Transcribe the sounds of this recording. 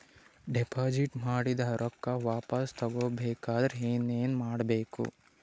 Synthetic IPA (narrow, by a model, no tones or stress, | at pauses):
ɖepʰaːd͡ʒiʈmaːɽid̪ɐɾʔɔkːɐʋaːpɐst̪ʰɐɡoːbeːkaːd̪ɾɦeːneːnmaːɽbeːkṵ